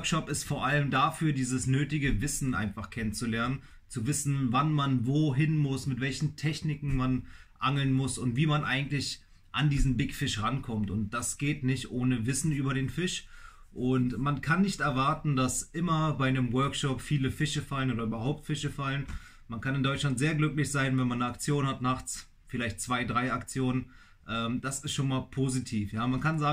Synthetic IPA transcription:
kʃɔpɪstfoːɐʔaləmdafyːɐdiːzəsnøːtɪɡəvɪsn̩ʔa̰ɪnfaχkʰɛnənt͡sulɛɐnən | t͡suvɪsn̩vanmanvoːɦɪnmʊsmɪtv̥ɛlçn̩tʰɛçnɪkŋ̩manʔaŋl̩nmʊsʊntv̥iːmanʔa̰ɪɡŋ̩tlɪç | ʔandiːzn̩bɪkfɪʃʁankʰɔmtʊnt̚d̥asɡ̥eːtnɪçtʔoːnəvɪsn̩yːbɐɾeːnfɪʃ | ʔʊntmankʰanːɪçtɛɐvaɐtn̩dasʔɪmɐbaɪnəmwœɐkʃɔpfiːləfɪʃəfalənoːdɐyːbɐhaʊp̚tfɪʃəfalən | mankʰanɪndɔʏt͡ʃʃlantz̥eːɐɡlʏklɪçz̥aɪnvɛnmanːəakt͡sjoːnhatnaχt͡s | fɪlaɪçtt͡sv̥aɪdʁaɪakt͡sjoːnən | ʔɛːmd̥asɪstʃoːnmaːlpʰoːzitʰiːfjaːmankʰanzaːŋ

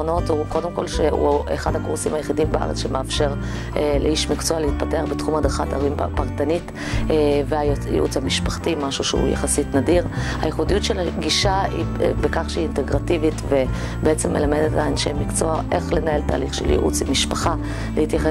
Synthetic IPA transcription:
ono̞thuko̞demko̞lʃeṵḛχadhakuʁsimhajeχidimbeʔa̰ʁet͡sʃemeafʃe̞ʁ | eleiʃmikt͡soalehit̚pateaʁbetχumhad̪χata̰ʁimpaʁtanitː | veajjḭʔṵt͡shamiʃpaχtimaʃuʃḛṵja̰χasitnadiʁha̰jeχudijutʃelaɡiʃaḭ | bekaχʃeiːnteɡʁativitve | beet͡semːelamed̪et̪aːnʃḛjmikt͡so̞aʔeχlenae̞lta̰ːliχʃeljḭʔṵt͡simiʃpaχa | lehit̪jaχe

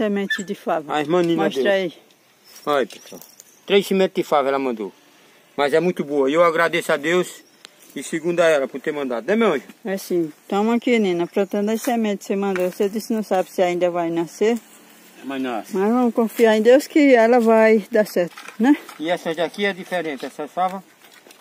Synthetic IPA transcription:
semẽt͡ʃ̪ɪd̪ɪfavamɐ̃nĩnmɐʃɾai | ajpeswa̰w | t̪ɾejsemẽt̪d̪ɪfavɛlɐmɐ̃nd̪o̰ | mɐzɛmũj̃t̪ʊboɐiewaɡɾad̪esʊad̪ews | ɪsiɡũnd̪ɐɛlɐpʊɾt̪eɾmɐ̃nd̪ad̪ʊemẽʒɛsĩt̪õmɐ̃kinĩnɐpɾõt̪ẽnd̪ẽsemẽt̪semɐ̃nd̪osed̪isɪnɐ̃w̃sabɪsɪaĩnd̪ɐvajnaseɾ | mɐnasmazvɐ̃mʊkõfiaɾẽd̪ewskɪɛlɐvajd̪asɛɾt̪ʊ̥nɛ̃iɛsɐd̪akiɛd̪ifeɾẽt̪ɪɛsɐfavɐ

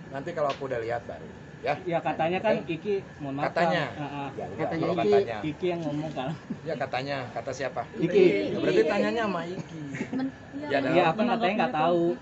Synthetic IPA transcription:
nant̪ikaloakuudahliɦat̪̚ba̰ɾṵ | jajakat̪aɲakaniki | munmaat̪aaɲaaʔajaat̪aɲaikijaŋŋomɔŋkalajakat̪aɲakat̪asiapaikibəɾaɾt̪it̪aɲaɲamaiki | jaajaːpankaajaŋɡaʔt̪au

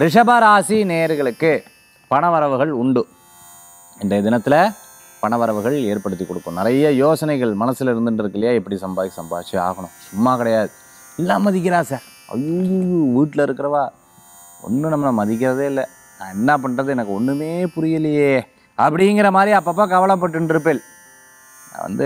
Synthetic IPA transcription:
ɾɪʂɐbaːɾaːsineːɾɯɣɐɭɯkːɯ | pɐɳɐʋɐɾɐʋɯɣɐɭʊɳɖɯ | ɪndɐɐd̪ɪnɐt̪ːɪlɐ | pɐɳɐʋɐɾɐʋɯɣɐɭeːɾpɐɽɯt̪ːikːɔɽɯkːʊ̃nɪɾɐjɐjoːsɐnɐɪɣɐɭmɐnɐsːɪlɐɪɾɯnd̪ɯndɪɾɯkːɪlːɐjaːɪpːɐɽisɐmbaːisɐmba̰ːt͡ʃːia̰ːɣɐɳʊ̃sʊmːaːkɪɽɐjaːðɯ | ɛlːaːmɐðɪk̬ːɪɾãːsaːɾ | ɐ̰jujujuʋiːʈːɪlɐɪɾɯkːɪɾɐʋaː | ɔ̰nːɯnɐmːɐnɐmɐðɪk̬ːɪɾɐðeːɪlːɐ | nãːɛnːɐp̬ɐɳrɐðɯɛnɐkːɯɔnːɯmeːpʊɾɪjɐlɐjeː | ɐpːɐɽɪŋɡɪɾɐmaːd̪ɾiaːpːaːp̬ːaːkɐʋɐɭɐp̬ːɐʈ̬ːɯnɖɪɾɯp̬ːel | nã̰ːʋɐ̰nd̪ɯ

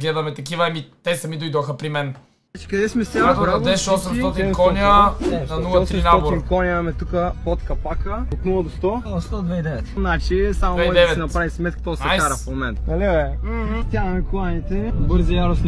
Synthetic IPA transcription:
ɡlɛd̪ɐmɛt̪ɐk̬ivɐɛmit̪ɛsɐmid̪ojd̪oxəpɾimɛn | ɛt͡ʃi̥kɐd̪ɛsmɛst̪ak̪ɾaɐd̪ɛʃɔsɛmɔt̪kɔnjənɐnulˠəɔt̪ɾinaɡ̪inkɔnʲjɐmɛt̪ukəpɔt̪kɐpakəot̪nulˠɐd̪ost̪ɔst̪ɔd̪vɛid̪ɛvɛt̪nat͡ʃisamovɛɔd̪ɛvɛt̪ɛnɐpɾavismɛt̪̚kʲi̥t̪ɔsakaɾɐfmomɛnt̪nɐlʲɛɛm̩st̪ʲad̪ɐmɛkʊanʲit̪ɛbɤɾzijaɾosnʲ

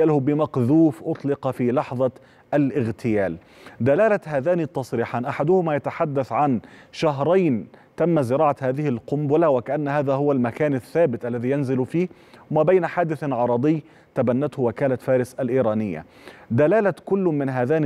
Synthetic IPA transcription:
alhʊbɪmɑqðuːfʔʊt̪ˤlɪqɑfiːlɑħðˤɑ | ʔalʔɪɣt̪ʰɪjaːl | d̪alaːlahaːðaːnit̪ːɑsˤɾiːħaːnʔaħad̪ʊhʊmaːjat̪aħad̪ːaθʕanʃaɦɾˤɑjn | t̪amːazɪɾˤɑːʕahaːðɪhɪlqʊmbʊlawɪkaʔanːhaːðaɦʊwalmakaːnaθːaːbɪt̪ʔalːaðiːjanzɪlfiːh | maːbajnħaːd̪ɪθʕɑɾˤɑd̪ˤɪjː | t̪abanːat̪hʊwɪkaːlafaːɾɪsalʔiːɾˤɑːnɪjːa̰ | d̪alaːlakʊlːʊmɪnɦaːðaːn

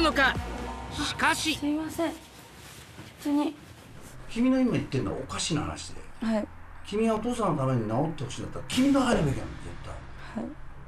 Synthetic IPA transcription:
nokḁ | kaɕiimasẽ | t̪oɲi | kʲimʲino̞imait̪ːenːoa̰o̰kaɕinaha̰na̰ɕid̪ḛhakʲimʲiɡaot̪o̞ːsanot̪ame̞ɲ̟inaot̪ːe̞ho̞ɕĩːnd̪at̪ːaakʲimʲino̞ɦaɾɯbekʲḛ̃nd͡zḛt̪ːa̰i | hai

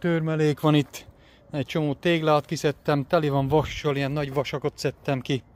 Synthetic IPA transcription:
t̪øːrmɛleːkʋɒnit̪ː | ɛc̚t͡ʃo̞moːt̪eːɡlaːt̪kisɛt̪ːɛmt̪ɛliʋɒɱʋɒʃːolijɛnːɒɟʋɒʃɒko̞t̪sɛt̪ːɛmki

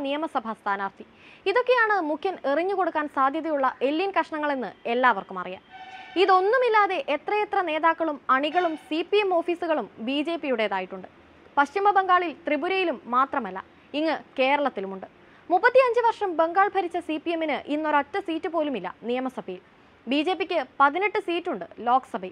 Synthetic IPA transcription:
nijɐmɐsɐbʱɐst̪ʰaːnaːrt̪ʰi | iðo̞kːe̞jaːɳɨmukʰjɐniriɲːuko̞ɽukːaːnsaːd̪ʱjɐðɐjuɭːɐʔe̞lːinkɐʂɐɳɐŋːɐɭenːɨe̞lːaːʋɐrkumɐ̰rija̰ːniðo̞nːumilːaːðe̞ʔet̪rɐjet̪rɐne̞ːðaːkːɐɭumɐɳiɣɐɭumsipiemo̞ːfiːsuɣɐɭumbiːd͡ʑe̞ːpijuɽe̞ðaːjiʈːuɳɖɨ | pɐɕt͡ɕimɐbe̞ŋɡaːɭilt̪ribuɾɐjilumːaːt̪rɐmɐlːɐ̰ | iŋːɨke̞ːɾɐɭɐt̪ːilumuɳɖɨ | mupːɐt̪ːiɐɲd͡ʑɨʋɐrʂɐmbe̞ŋɡaːɭbʱɐɾit͡ɕːɐsipːie̞minɨʔinːoɾotːɐsiːtːɨpo̞ːlumilːɐ̰nijɐmɐsɐbʱɐjil | biːd͡ʑe̞ːpːikʲːɨpɐðineʈːɨsiːtːuɳɖɨlo̞ːksɐbɐ

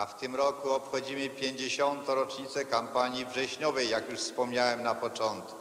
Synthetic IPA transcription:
aft̪ɘmɾɔkuɔpxɔd͡ʑimɘpʲjeɲd͡ʑeɕɔnt̪ɔ̃ɾɔt͡ʂɲit̪sɛkampaɲjivʐɛɕɲɔvɛjːakjuʂfspɔmɲawɛmnapɔt͡ʂɔnt̪̚ku̥

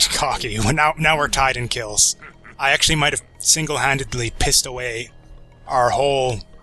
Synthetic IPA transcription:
kʰɑkiw̃naʊnaʊwɪɹtʰaɪɾɨ̃nkʰɪlˠz̥aɪæk̚t͡ʃʉl̩ˠimaɪt̚ɨv̥ | sɪ̃ŋɡl̩ˠɦæ̃ndɨdˡlipʰɪstəweɪ | ʔaʊə˞hoʊlˠ

